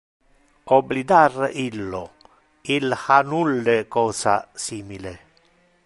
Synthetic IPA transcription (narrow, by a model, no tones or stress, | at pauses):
ɔblid̪arilːo | ilhanulːekɔːsa̰siːmile